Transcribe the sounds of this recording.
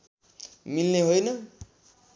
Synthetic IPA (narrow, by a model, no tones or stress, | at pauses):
milneɦojnʌ